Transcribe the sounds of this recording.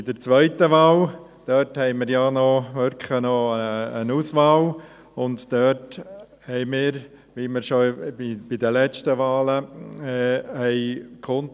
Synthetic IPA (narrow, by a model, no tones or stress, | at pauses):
ɪdəɾt͡sʋœʏtəʋɑːl | d̥œthɛɪməɾjanɔʋʏɾkχənɔəənuːsʋɑːl | ʊndd̥øt | hɛɪmɪːɾ | ʋiːməɾʃoib̥ɪdəlɛt͡ʃtəʋɑːlə | ɛɪkʰɔn